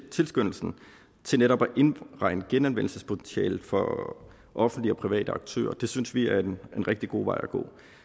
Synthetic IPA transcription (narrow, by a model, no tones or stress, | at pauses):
t͡sʰe̝lsɡ̥øn̰l̩sn̩ | t͡sʰe̝lneɾɒ̽b̥æʔe̝nʁɑ̈ɪnəɡ̥enænʋen̰l̩səspʰo̝t͡sʰensɛ̰ːlð̩ˠfɒ | ʔɒ̽fn̩d̥liɒ̽pʰʁiʋɛ̰ːd̥əɑ̈ɡ̥̚t͡sʰø̰ːɐd̥e̝synsʋiæɐene̝nʁɛɡ̥̚d̥iɡ̥o̝̰ːʋɑ̈ɪæɡ̥o̰ː